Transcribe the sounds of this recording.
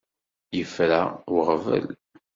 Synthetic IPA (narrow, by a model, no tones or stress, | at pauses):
jəfɾæwʁvæ̰l